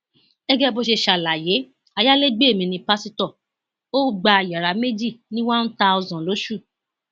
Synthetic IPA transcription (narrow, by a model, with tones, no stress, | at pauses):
ɛ˦ɡɛ˦bo˧ʃe˧ʃa˨la˨je˨˦ | a˧ja˦le˦ɡ͡be˦e˦˨mĩ˧nĩ˧pa˦si˦tɔ˦˨ | o˦ɡ͡ba˧˨ja˨ɾa˨me˦d͡ʒi˦˨nĩ˦wã˦n̩˦ta˧o˧zɔ̃˨lo˨˦ʃu˦˨